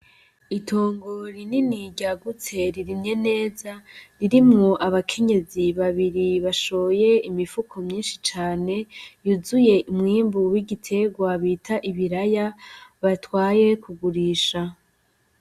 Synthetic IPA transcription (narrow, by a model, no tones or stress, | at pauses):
itʰoːŋɡoɾininiɟaɡut͡se̞ɾiɾiɲe̞ne̞ːzaɾiɾimŋoʔaβakʰe̞ɲe̞ziβaβiɾiβaʃo̞je̞imifukʰo̞mɲiːnʃit͡ʃaːne̞juzuje̞umŋiːmbuwiɟitʰe̞ɡwaβiːtʰaʔiβiɾajaβatwaːje̞kuɡuɾiːʃa